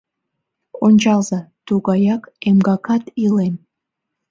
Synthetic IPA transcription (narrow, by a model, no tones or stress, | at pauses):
onʲt͡ɕɑlzɑt̪uɣɑjɑkemɡɑkɑt̪ilen